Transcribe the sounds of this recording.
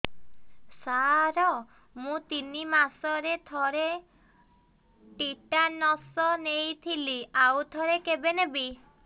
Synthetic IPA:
saɾɔ | mũt̪inimasɔɾet̪ʰɔɾe | ʈiʈanɔsɔnejt̪ʰiliawt̪ʰɔɾekebenebi

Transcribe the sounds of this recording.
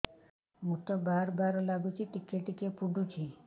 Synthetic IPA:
mut̪ɔbaɾbaɾlaɡut͡ʃʰiʈikeʈikepuɖut͡ʃʰi

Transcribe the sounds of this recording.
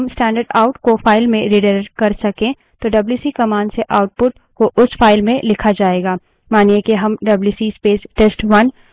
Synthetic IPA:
msʈɛ̃ːɳɖəɾɖaːʊʈkofaːɪlmẽɾiɖəɾɾkɐɾsɐkẽ | t̪oɖɐbljuːsikɐmaːnseʔaːʊʈ̚pʊʈ̚ | koʔʊsfaːɪlmẽlɪkʰad͡ʒaːeːɡaː | maːnijekeɦɐmɖɐbljuːsispeːsʈeːsʈwɐn

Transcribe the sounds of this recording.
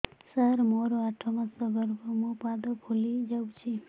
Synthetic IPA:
saɾmoɾoaʈʰomasʌɡʌɾbomopad̪opʰulid͡ʒawt͡ʃʰi

